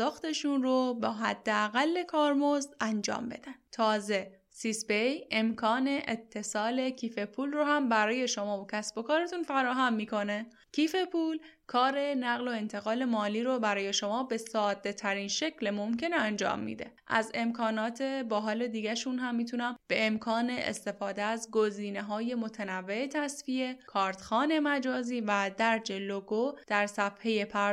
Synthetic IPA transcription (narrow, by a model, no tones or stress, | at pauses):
ɒːxt̪e̞ʃunrobɒːɦæ̰d̪ːeæɣælːekʰɒːɾmozænd͡ʒɒ̰ːmbe̞̰d̪ænt̪ʰɒːze̞ | sisbeje̞mkʰɒːne̞ʔet̪ʰːe̞sɒːle̞cʰiːfe̞pʰuːlrohæmbæɾɒːje̞ʃo̞mɒːvocʲʰæsb̥o̞kʰɒːɾe̞t̪ʰunfæɾɒːɦæmːiːkʰo̞ne | cʰiːfe̞pʰuːlkʰɒːɾe̞næɣlo̞e̞nt̪ʰe̞ɣɒːle̞mɒːliːɾobæɾɒːje̞ʃo̞mɒːbe̞sɒːd̪ːe̞t̪ʰæɾiːnʃe̞cʰlemomce̞neænd͡ʒɒ̰ːmːḭːd̪ḛʔæ̰ze̞mkʰɒːnɒːt̪ʰe̞bɒːɦɒːle̞d̪iːɟæʃunɦæmːiːt̪ʰunæmb̥e̞emkʰɒːneʔḛst̪e̞fɒːd̪eæzɡo̞ziːne̞ɦɒːje̞mo̞t̪ʰænævːe̞et̪ʰæsfie̞kʰɒːɾt̪xɒːne̞mæd͡ʒɒːziːvæd̪æɾd͡ʒeloɡod̪̥æɾsæfhe̞je̞pʰæ